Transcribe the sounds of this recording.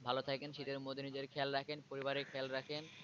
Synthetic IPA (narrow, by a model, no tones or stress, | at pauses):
bʱalot̪ʰakenʃit̪eɾmod̪ʱinid͡ʑeɾkʰɛlɾakʰenpoɾibaɾekʰɛlɾakʰen